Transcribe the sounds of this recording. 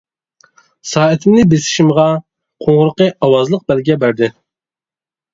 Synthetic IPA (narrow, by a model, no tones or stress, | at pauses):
sɑːɛt̪ʰɪmnɪbesɪ̥ʃimʁɑ | qʰoɴʁʊɾəqəɑwɑzlˠəq̚bælɡʲɛbæɾd̪ɪ